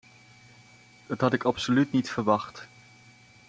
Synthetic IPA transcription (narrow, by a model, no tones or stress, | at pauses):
dɑtɦɑtɪkɑpsolytnitfəɹʋɑχt